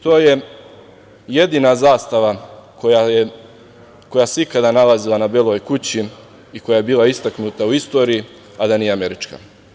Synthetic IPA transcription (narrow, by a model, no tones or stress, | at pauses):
t̪o̞ːje̞ | je̞d̪inazaːst̪aʋakojaje | ko̞jaːseikad̪analazilanabelˠo̞ːjkut͡ɕi | iko̞jaje̞biːlˠaist̪aknuːt̪auist̪o̞ːɾiji | ad̪aniːjeame̞ɾit͡ʃka̰